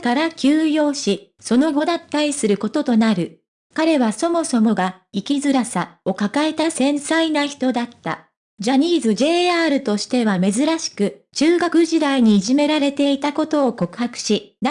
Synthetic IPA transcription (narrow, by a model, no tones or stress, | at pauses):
kaɾakʲɨːjo̞ːɕi | so̞no̞ɡo̞d̪at̪ːaɾʲisɨɾɯ̟ko̞t̪o̞t̪o̞naɾɯ̟ | kaɾe̞βaso̞mo̞so̞mo̞ɡa | ikʲizɨɾasao̞kakae̞t̪asẽ̞ɰ̃sainaçi̥t̪o̞d̪at̪ːa̰ | d͡ʑaɲ̟iːzɨd͡ʑe̞ːaːɾɯ̟t̪o̞ɕi̥t̪e̞β̞ame̞zɨɾaɕi̥kɯ̟t͡ɕɨːɡakɯ̟ʑid̪aiɲ̟iːʑime̞ɾaɾe̞t̪e̞it̪ako̞t̪o̞ːko̞kɯ̟̥hakɯ̟̥ɕin